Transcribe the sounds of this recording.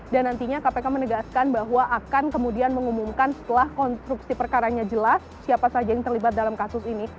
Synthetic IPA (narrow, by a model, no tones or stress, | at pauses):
danːant̪iɲakapekamənəɡaskanbaɦwaʔːkankəmudianməŋumumkansə̥t̪əlahkɔnst̪ɾuksipərkaɾaɲad͡ʒəlasːiapasad͡ʒajaŋt̪ərlibat̪̚dalamkasʊsini